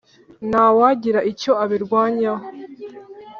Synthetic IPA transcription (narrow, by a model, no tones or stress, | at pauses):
naːwaɟiɾaʔico̞aβiɾɡwaːɲa